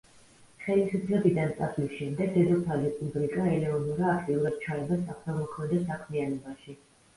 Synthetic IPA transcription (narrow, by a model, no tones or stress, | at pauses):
χɛlisupʰlɛbid̪ant̪sʼasʰlisʃɛmd̪ɛɡ̚d̪ɛd̪ɔpʰalipʼubɾikʼaɛlɛɔnuɾaːkʰt̪ʼiuɾad̪̥̚t͡ʃʰaɛbasaχsamɔχʰmɛd̪ɛsakʰmianɔbaʃi